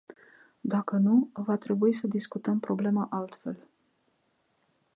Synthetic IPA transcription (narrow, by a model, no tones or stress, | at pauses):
d̪akənuvat̪ɾe̞buisəd̪iskut̪əmpɾo̞ble̞maʔalt̪fe̞l